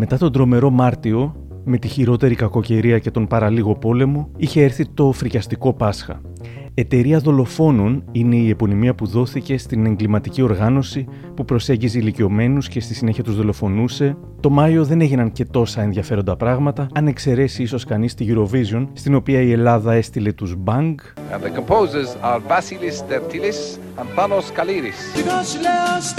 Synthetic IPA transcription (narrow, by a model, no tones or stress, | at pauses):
me̞t̪ɐt̪o̞nd̪ɾo̞me̞ɾo̞mɐɾt̪io̞ | me̞t̪içiɾo̞t̪e̞ɾikɐko̞ce̞ɾiɐce̞t̪o̞mpɐɾɐliɣo̞po̞le̞mo̞içe̞eɾθit̪o̞fɾicɐst̪iko̞pɐsxɐ̰ | et̪e̞ɾiɐðo̞lo̞fo̞no̞nine̞ie̞po̞nimiɐpuðo̞θice̞st̪ine̞ŋɡlimɐt̪icio̞ɾɣɐno̞si | pupɾo̞se̞ɲɟizeilicio̞me̞nusce̞st̪isine̞çiɐt̪uzðo̞lo̞fo̞nuse̞ | t̪o̞mɐjo̞ðe̞ne̞ʝinɐnce̞t̪o̞sɐenðʝɐfe̞ɾo̞nd̪ɐpɾɐɣmɐt̪ɐɐne̞kse̞ɾe̞siiso̞skɐnist̪iʝuɾo̞vizo̞nst̪ino̞piɐie̞lɐðɐe̞st̪ile̞t̪uzbɐŋɡ̃ | nðəkə̃mpʰoːzə˞zaɾvasilisd̪ɛɾt̪ʰilis | ɐ̃npanoskaliɾis